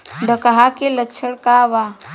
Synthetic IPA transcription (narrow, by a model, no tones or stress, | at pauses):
ɖəkaɦakelət͡ʃʰəɽkaʋa